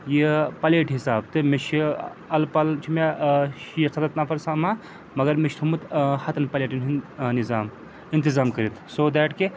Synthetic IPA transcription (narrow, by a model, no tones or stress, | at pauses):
jipɐleːʈɦisaːb̚t̪ɨmeʃʰi | ɐlpɐlt͡ʃʰimeʃjɐsɐd̪ɐt̪napʰɐɾsaːma | mɐɡɐɾmeʃʰt̪ʰumɨt̪hɐt̪ɐnpɐleːʈinnizaːm | int̪izaːmkɐɾit̪ʰsoːd̪ɛːʈke